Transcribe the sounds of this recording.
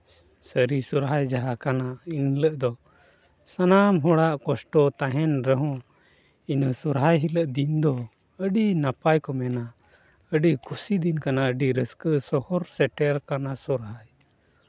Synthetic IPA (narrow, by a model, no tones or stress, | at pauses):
səɾisuɾɦajd͡ʒaɦakanainləʔd̪ɔ | sanamɦɔɽaʔkɔsʈɔt̪aɦɛnɾəɦɔ̃ | inəsuɾɦajɦiləʔd̪ind̪ɔ | əɖinapajkɔmɛna | əɖikʰusid̪inkanaəɖiɾəskəsɔhɔɾsɛʈɛɾkanasuɾɦaj